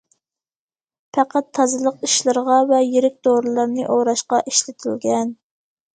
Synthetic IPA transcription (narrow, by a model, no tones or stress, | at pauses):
pʰɑqæt̪ʰːɑzɨlˠəqiʃlˠɨɾʁɑvɛjeɾɪk̚ʲt̪oɾlˠɑɾnɨʔoɾɑʃqɑʔiʃlɪt̪ʰɪlɡʲɛn